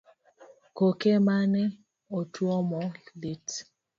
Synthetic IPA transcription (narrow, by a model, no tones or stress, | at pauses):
kokemane | otʰwɔmɔlit